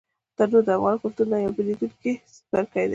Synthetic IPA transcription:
t̪əɾd̪od̪əafɣɑnkʊɾt̪unnajawbəlid̪unkespaɾkəɽed̪e

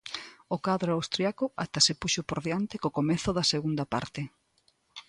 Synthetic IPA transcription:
okaðɾoawst̪ɾjakʊat̪asepuʃopoɾðjant̪ɪkokomeθʊðɐseɣund̪ɐpa̰ɾt̪ɪ

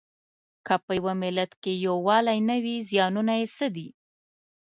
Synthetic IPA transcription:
kapəjwamɪlat̪kejowɑlajnawizjɑnunajesəd̪i

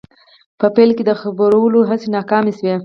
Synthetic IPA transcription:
pəpelked̪əxabɾawəloɦasenɑkɑmeswe

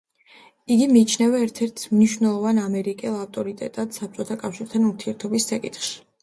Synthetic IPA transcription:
iɡimiːt͡ʃʰnɛvɛːɾt̪ʰɛɾt̪ʰmniʃvnɛlˠɔvanamɛɾikʼɛlˠaft̪ʼɔɾit̪ʼɛ̰t̪ʼad̪̥sap̚t͡ʃʼɔt̪ʰakʼafʃiɾt̪ʰanuɾt̪ʰiɛɾt̪ʰɔbisːakʼit̪χʃi̥

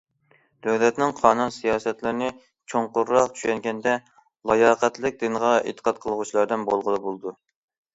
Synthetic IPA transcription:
d̪̥øwlɛt̪nɪŋqʰɑːnunsijɑːsɛt̪lɪɾɪnɪ | t͡ʃʰoɴqʊɾːɑqt͡ʃʰy̥ʃɛŋɡʲɛnd̪ɛ | lˠɑjɑːqɛt̪lɪk̚ʲd̪ɪnəʁɑḛt̪ʰːə̥qɑt̪qʰəlˠəʁʊt͡ʃʰilˠɑɾd̪ɨnbolˠʁəlˠɨbolˠd̪u

